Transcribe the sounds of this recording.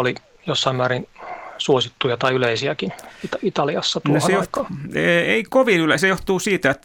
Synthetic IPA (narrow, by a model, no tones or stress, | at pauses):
oli | josːɑimmæːɾinsuosit̪ːujɑt̪ɑiyleisiækinit̪ɑit̪ɑliɑsːɑt̪unohoejot̪kɑːeeikoʋinylesejoht̪uːsiːt̪æet̪